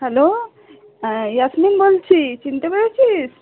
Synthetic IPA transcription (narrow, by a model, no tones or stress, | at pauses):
hɛlo | jasminbolt͡ɕʰit͡ɕint̪epɐɽet͡ɕʰis